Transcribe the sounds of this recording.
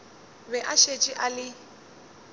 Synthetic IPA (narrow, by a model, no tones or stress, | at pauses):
bɛʔaʃet͡ʃʼiʔalɪ